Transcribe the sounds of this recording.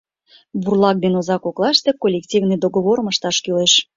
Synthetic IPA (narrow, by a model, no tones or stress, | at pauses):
βurlɑk̚d̪enozɑkoklˠɑʃt̪e̽kolʲektʲivnɨd̪oɡoβoɾməʃt̪ɑʃkyleʃ